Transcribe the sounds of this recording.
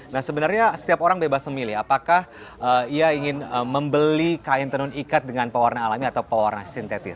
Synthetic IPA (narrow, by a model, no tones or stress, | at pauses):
nahsəbənarɲasə̥t̪iapoɾaŋbebasməmilɪhapakah | ʔəiaiŋɪnəməmbəlikaɪnt̪ənʊnikat̪̚dəŋanpawarnaːlamiat̪awpawa̰rnasint̪et̪ɪ̰s